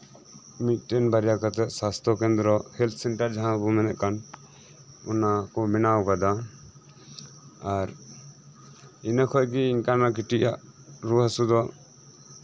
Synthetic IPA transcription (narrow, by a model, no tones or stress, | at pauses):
mit̪̚ˀʈɛnbaɾjakat̪ɛʔsast̪ʰɔkɛnd̪ɾɔhɛlt̪ʰsɛɳʈaɾd͡ʒaɦãbumɛnɛʔkan | ɔnakɔmɛnawkad̪a | aɾ | inakʰɔkiːŋkanak̬iʈiʔaʔɾuɦasud̪ɔ